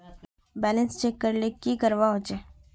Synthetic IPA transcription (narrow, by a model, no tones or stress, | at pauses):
bɛːlənst͡ʃeːkːəɾlekikəɾʋaɦot͡ʃeː